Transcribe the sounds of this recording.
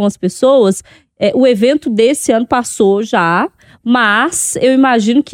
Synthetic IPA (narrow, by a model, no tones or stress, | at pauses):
ũmɐspesowɐs | ɛʔʊevẽnt̪ʊd̪esɪɐ̃nʊpasoʒa | mɐsewimaʒĩnʊkʲ